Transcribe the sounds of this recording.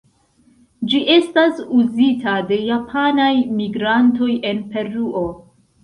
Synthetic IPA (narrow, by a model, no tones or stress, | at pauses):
d͡ʒiʔe̞stasuzitade̞japʰanajmiɡɾanto̞je̞npe̞ɾuʔo̞